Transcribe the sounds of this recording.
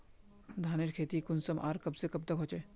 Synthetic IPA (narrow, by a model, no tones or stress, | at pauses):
d̪ʱaːnɪɾkʰeːt̪ikʊnsəmʔaːɾkɐbsekɐb̚t̪ɐkɦoːt͡ʃeː